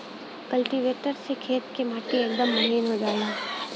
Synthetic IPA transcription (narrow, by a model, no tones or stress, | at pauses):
kɐlʈiʋeːʈəɾsekʰeːt̪kemaːʈieːk̚d̪əmːɐɦiːnɦod͡ʒaːlaː